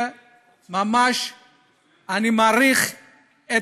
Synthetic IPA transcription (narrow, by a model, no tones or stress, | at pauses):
ɛ | mamaʃ | animaɾiχ | ɛ